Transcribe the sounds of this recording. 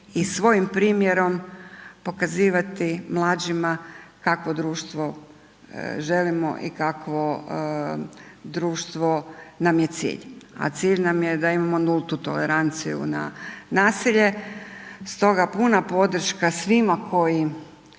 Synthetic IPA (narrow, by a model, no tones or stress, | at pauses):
isʋo̞jimpɾiːmjeɾo̞mpo̞kaziːʋat̪imlˠaːd͡ʒimakakʋo̞d̪ɾuːʃt̪ʋo̞ | ʒe̞limo̰ʔḭkakʋo | d̪ɾuːʃt̪ʋo̞namje̞t̪sḭːʎa̰t̪siːʎnamje̞d̪aimamo̞nulˠt̪ut̪o̞̰leɾant̪sijṵna̰naːsiʎe̞ | st̪o̞ɡapunapo̞d̪r̩ʃkasʋimakʰo̞ji